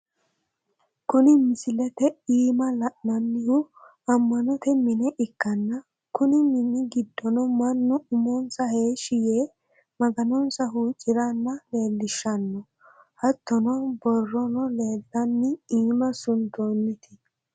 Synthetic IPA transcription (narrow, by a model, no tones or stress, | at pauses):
kʊnɪmɪsɪlɛt̪ɛiːmɐlɐʔnɐnːɪhʊ | ɐmːɐnɔt̪ɛmɪnɛʔɪkːɐnːɐ | kʊnɪmɪnːɪɡɪd̪ːɔnɔmɐnːʊʊmɔnsɐhe̞ːʃɪjeː | mɐɡɐnɔnsɐɦuːt͡ʃʼːɪɾanːɐle̞ːlːɪʃːɐnːɔ | hɐt̪ːɔnɔbɔrːɔnɔle̞ːlːɐnːɪiːmɐsʊnt̪oːnːɪt̪ʰɪ̥